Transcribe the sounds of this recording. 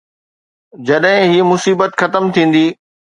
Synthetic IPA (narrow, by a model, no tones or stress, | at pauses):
d͡ʑɐɗɦɪ̃ɦiːmʊsiːbət̪xɐt̪əmt̪ʰĩːn̆d̪iː